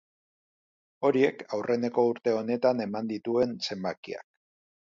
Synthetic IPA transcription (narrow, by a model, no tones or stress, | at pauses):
o̞ɾie̞kawrʔe̞ne̞ko̞uɾt̪e̞o̞ne̞t̪ane̞mand̪it̪ue̞nse̞mbakia̰k̚